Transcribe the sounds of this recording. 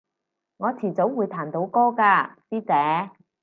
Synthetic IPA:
ŋɔː˨˧t͡sʰiː˨˩t͡so˨˥wwuː˨˧jt̪ʰaː˨˩nt̪o˨˧wkɔː˥kaː˧siː˥t͡sɛː˨˥

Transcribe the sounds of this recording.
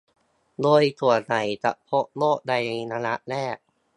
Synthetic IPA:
doː˧jt̪ʰu˨˩əna˨˩˦jt͡ɕa̰˨˩ʔpʰo˦˥ʔ̚loː˥˩ʔ̚da˧jnaː˧la˦˥ʔlɛː˥˩k̚

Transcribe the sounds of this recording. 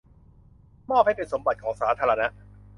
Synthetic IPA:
mɔː˥˩p̚ha˥˩pe˧nso˩˦mba˨˩t̪̚kʰɔː˩˦ŋsaː˩˦t̪ʰaː˧ɾa˧na˦˥ʔ

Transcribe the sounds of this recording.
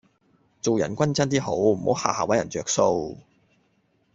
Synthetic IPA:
t͡so˨wjɐ˨˩nkʷɐ˥nt͡sɐ˥nt̪̬iː˥ɦo˨˥wm̩˨˩ho˨˥wha̰ː˨˩haː˨wɐ˨˥jɐ̰˨˩nt͡ʃœː˨k̚so˧w

